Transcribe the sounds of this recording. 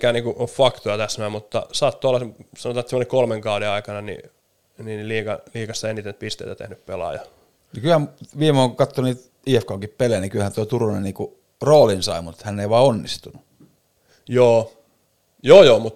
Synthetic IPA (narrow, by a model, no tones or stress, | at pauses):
kæːnniːŋkuʔoffɑkt̪ojɑt̪æsmæːmmut̪ːɑ̰sɑːt̪ːoolːɑsɑnot̪ɑːet̪semŏnekolmeŋkɑudeɑikɑnɑnḭ | niniliːkɑliːkɑsːɑenit̪ent̪̚pist̪ḛit̪æt̪ḛhnyppelɑ̰jɑ̰ | nikylhæmʋiːmoːŋkkɑt̪ːoniːt̪ | iːefkoːŋkippelejnikylhænt̪oˑit̪urunenniːku | roːlinsɑ̰imut̪hænːeiʋɑːonːist̪unu | joː | joːjoːmut̪